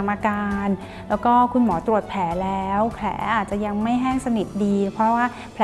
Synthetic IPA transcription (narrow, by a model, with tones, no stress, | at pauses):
mʔaː˧kaː˧n | llɛː˦˥wkɔː˥˩kʰu˧nmɔː˩˦t̪ɾu˨˩ət̪̚pʰlɛː˩˦lɛː˦˥wkʰlɛ̰ː˩˦ʔaː˨˩t̪̚t͡ɕa˨˩ja˧ŋma˥˩jɦɛː˥˩ŋsa˧ni˨˩t̪̚diː˧pʰɾɔ˦˥waː˥˩ | pʰl